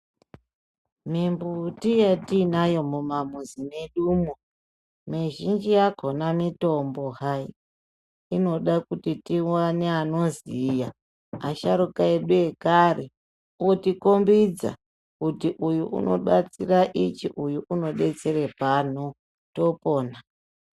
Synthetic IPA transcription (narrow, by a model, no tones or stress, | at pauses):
mimbutijatinajo̞mumamuzime̞ɗuːmo | miʒind͡ʒijakonamito̞mbo̞hai | ino̞ɗakutitiwaneanoziːjaː | ʃaɾukaeɗuekare | otikombid͡za̰ | kutiʔujuʔṵno̞̰ɓat͡siraʔit͡ʃiʔujuʔuno̞ɓe̞t͡se̞re̞pan̤u | to̞po̞ːna